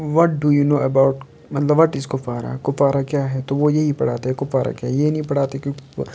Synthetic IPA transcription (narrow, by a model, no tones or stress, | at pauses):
ʋɔʈ̚ɖujuːnoːɛbaːʊʈ | mɐt̪ləbʋɔʈɪzkʊpaːɾa̰kʊpaːɾakjaːɦɛt̪oʋojeɦipɐɽ̤aːt̪eɦɛkʊpaːɾa̰kjaːɦɛjeinɐ̃ĩpɐɽ̤aːt̪eɛkjõ